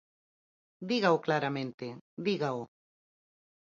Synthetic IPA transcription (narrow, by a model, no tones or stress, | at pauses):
d̪iɣaʊklaɾamẽnt̪ɪðiɣaʊ